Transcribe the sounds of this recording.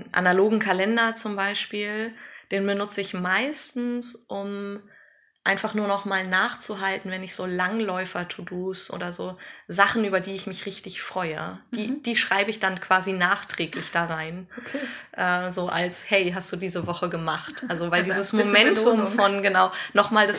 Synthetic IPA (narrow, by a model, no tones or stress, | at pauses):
ʔa̰naloːɡŋ̩kʰalɛndɐt͡sʊmbaɪʃpiːld̥eːnbənʊt͡səɪçmaɪstn̩sʔʊm | ʔaɪnfaχnuːɐnɔχmaːlnaːχt͡suɦaltn̩vɛnɪçz̥oːlaŋlɔʏfɐtʰuduːsʔo̰ːɾɐzoːzaχn̩ʔyːbɐdiːɪçmɪçʁɪçtɪçfʁ̥ɔʏə̰d̥iːd̥iːʃʁ̥aɪbəɪçd̥ankʰv̥aːzinaːχtʁ̥ɛːklɪçd̥aːʁaɪn | ʔɛːzoːʔalshɛɪɦastd̥uːdiːzəvɔχəɡəmaχtʔʔalzovaɪldiːzəsmomɛntʰʊmfɔnɡənaʊnɔχmaːldas